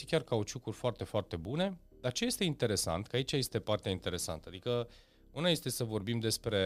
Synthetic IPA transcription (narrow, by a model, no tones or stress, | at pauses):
ikʲarkaot͡ʃukurʲfoart̪e̞foart̪e̞bune̞ | d̪art͡ʃeje̞st̪e̞int̪e̞ɾe̞sa̰nt̪kəait͡ʃaje̞st̪e̞part̪eaint̪e̞ɾe̞sa̰nt̪əad̪ikə | unaje̞st̪e̞səvo̞rbimd̪e̞spɾe̞